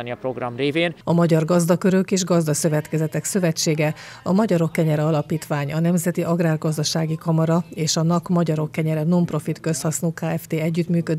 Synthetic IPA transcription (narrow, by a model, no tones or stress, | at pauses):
niɒpɾoɡrɒmreːveːnɒmɒɟɒrɡɒzd̪ɒkø̞ɾø̞keːʒɡɒzd̪ɒsø̞vɛt̪kɛzɛt̪ɛksø̞vɛt͡ʃːeːɡɛɒmɒɟɒɾo̞kːɛɲɛɾɛɒlɒpiːt̪ʋaːɲɒnɛmzɛt̪iʔɒɡraːrɡɒzd̪ɒʃaːɡikɒmɒɾɒeːʃɒnɒkmɒɟɒɾo̞kːɛɲɛɾɛno̞mpro̞fit̪kø̞st̪hɒsnoːkaːɛft̪eːɛɟːyt̪myːkød̪